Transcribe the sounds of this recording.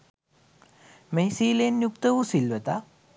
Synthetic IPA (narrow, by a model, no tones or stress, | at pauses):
mesiːlenjukt̪əʋusilʋet̪a